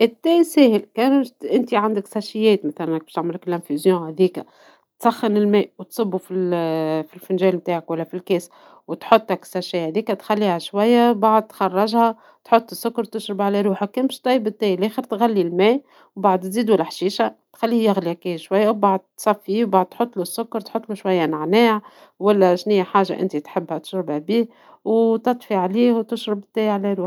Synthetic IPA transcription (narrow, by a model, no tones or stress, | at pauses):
ʔɪt̪ːæːsɛːhɪlkɛːnʔɪnt̪iʕand̪ɪksæʃɪjːɛːt̪mæθælænæk̚bæ̥ʃt̪ʕmɪlɪkɪlʔænfyzjõːhæðiːkæ | t̪sˤɑxːɑnɪlmɛːʔwt̪sˤɨbːufilfilfʊnʒɛːlmt̪aːʕakwælːæfilkɛːs | wt̪ħot̪ˤːæksæʃihæðiːkæt̪xælːiːhæʃwæjːæbaʕd̪̚t̪xɑrˤːɑʒhæ | t̪ħot̪ˤːəsːʊkːɑɾt̪ʊʃɾɪbʕalæɾuːħækæːnbʃt̪ˤɑjbɪt̪ːæːjlʔæːxəɾt̪ɣælːilmæː | wbaʕd̪t̪ziːd̪wælːħʃiːʃat̪xælːiːhjaɣliækiʃwæjːawbaʕd̪̚t̪sˤɑfːiwbaʕd̪̚t̪ħot̪ˤːlusːʊkːɑɾˤt̪ħot̪ˤːluʃwajːænaʕnæːʕ | wælːæʃnijːaħaːʒa̰ʔɪ̰nt̪it̪ħɪbːhæt̪ʃɾɪbæbiː | wt̪ɑt̪ˤfiʕaliːhwt̪ʊʃɾɪbt̪ːɛːjʕalæɾuːħ